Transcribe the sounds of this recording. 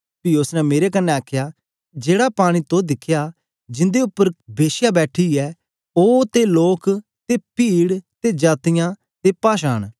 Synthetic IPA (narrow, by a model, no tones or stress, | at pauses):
piːʊsnɛmeːɾekənːɛaːkʰjaː | d͡ʒeːɽapaːɽ̃iːt̪õd̪ɪkʰːjaː | d͡ʒɪ̃nd̪eʊpːəɾbeːʃjaːbɛːʈʰiɛː | oːt̪eloːk | t̪eːpiːɽt̪eːd͡ʒaːt̪ɪjãː | t̪epaːʃaːɽ̃